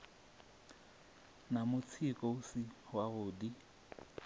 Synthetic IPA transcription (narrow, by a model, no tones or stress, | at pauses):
namʊt͡sʰikʼoʊsihwaɣʊːdi